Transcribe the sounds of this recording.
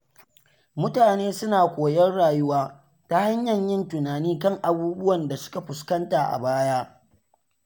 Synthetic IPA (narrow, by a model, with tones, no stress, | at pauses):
mʊ˦taː˨neː˦sʊ˦naː˨kʷoː˨jɐ˦rɽaː˨jʊ˦waː˦ | ta˦ha˦ɲjɐ˨ɲjɪ˦ntʊ˨naː˨niː˦kɐ˦˨ŋʔa˨buː˦bʊ˦wɐ˨nda˨sʊ̥˦ka˨ɸʊ˨skɐ˦nta˨ʔa̰˨baː˦ja˦